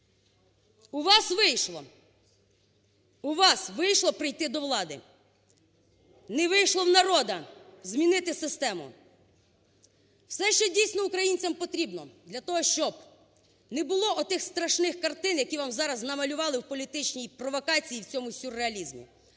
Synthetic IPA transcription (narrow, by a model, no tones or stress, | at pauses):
ʊʋɑsʋɪjʃlˠɔ | uʋɑsʋɪjʃlˠɔpɾɪjt̪ɪd̪ɔwlˠɑd̪ɪ̰ | nɛʋɪjʃlˠɔwnɐɾɔd̪ɐzʲmʲinɪt̪ɪsɪst̪ɛmʊ̰ | wsɛʃt͡ʃɔdʲijsʲnɔukɾɐjinʲt͡sʲɐmpɔt̪ɾʲibnɔd̪lʲɐt̪ɔɦɔʃt͡ʃɔb | nɛbʊlˠɔʔɔt̪ɪxst̪ɾɐʃnɪxkɐrt̪ɪnjɐkʲiʋɑmzɑɾɐznɐmɐlʲʊʋɑlˠɪwpɔlʲit̪ɪt͡ʃnʲijpɾɔʋɔkɑt͡sʲijiwt͡sʲɔmʊsʲʊrːeɐlʲizmʲḭ